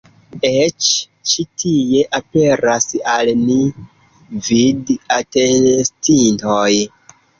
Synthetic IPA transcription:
et͡ʃ | t͡ʃitʰije̞ʔape̞ɾasalni | vidatenstintoj

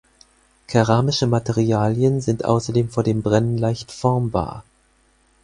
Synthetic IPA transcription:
kʰaʁaːmɪʃəmateʁiaːljənzɪntʔa̰ʊsɐdeːmfoːɐdeːmbʁɛnənlaɪçtfɔɐmba̰ːɐ

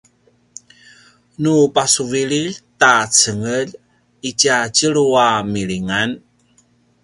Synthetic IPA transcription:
nupasuviɭiʎt̪at͡səŋəl | icacəɭuamiɭiŋan

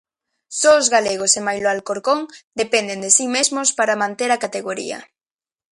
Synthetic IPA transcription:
soozɣaleɣ̞osemajloalkoɾkoŋd̪epend̪end̪esimezmospaɾamãnt̪eɾakat̪eɣoɾḭɐ̰

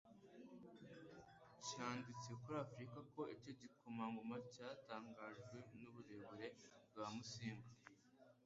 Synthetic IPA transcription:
caːndut͡sijekuɾaːfɾikako̞ico̞ɟikumaŋɡomacaːtaːŋɡaːʒɡwe̞nuβuɾe̞βuɾe̞bɡaːmusiːŋɡa

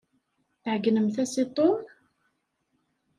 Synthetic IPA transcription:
θʕɡnəmθæsit̪ˤːoɾ

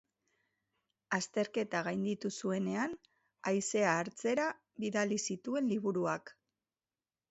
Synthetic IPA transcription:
ast̪e̞ɾke̞t̪aɣ̞ajnd̪it̪usue̞ne̞an | ajse̞aːɾt͡se̞ɾa | βiðalisit̪ue̞nliβuɾuak

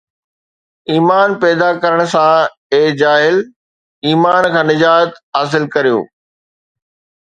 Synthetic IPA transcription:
iːmaːnpɛːd̪akɐɾəɽ̃̆sã | eːd͡ʑaːɦɪl | iːmaːnkʰãːnɪd͡ʑaːt̪ɦaːs̬ɪlkɐɾijo̰ː

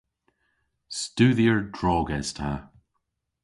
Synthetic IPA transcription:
stuːðiəɹdɹɔːɡɛz̥tʰa

